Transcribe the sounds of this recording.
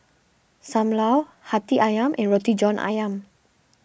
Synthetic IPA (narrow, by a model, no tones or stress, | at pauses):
samlaw | hat̪iʔajamʔɛnrot̪id͡ʒɔnʔa̰jam